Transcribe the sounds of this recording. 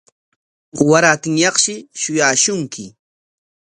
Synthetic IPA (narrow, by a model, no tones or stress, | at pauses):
ɢowaɾaːt̪ɪŋjɑχʃɪʃʊjaːʃʊŋkʰɪ